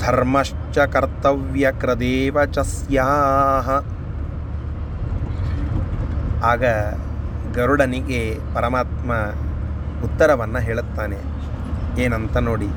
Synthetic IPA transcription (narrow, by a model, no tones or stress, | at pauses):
d̪ʱɐɾmɐʂ | t͡ʃɐkɐɾt̪ɐʋjɐkɾɐd̪eːʋɐt͡ʃɐsjaːɦɐ | aːɡɐ | ɡɐɾuɽɐniɡepɐɾɐmaːt̪mɐ | ut̪ːɐɾɐʋɐnːɐɦeːɭut̪ːaːne | eːnɐnt̪ɐnoːɽi